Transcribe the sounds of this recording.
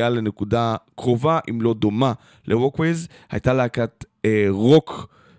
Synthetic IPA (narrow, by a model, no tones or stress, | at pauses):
ale̞ne̞kudakʁo̞vaʔimlo̞d̪o̞ma | lʔewokwez | ha̰jtaleakat̪ | eʁok